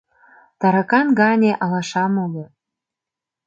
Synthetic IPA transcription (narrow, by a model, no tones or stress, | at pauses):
t̪ɑɾɑkɑnɡɑnʲeʔɑlɑʃɑmolo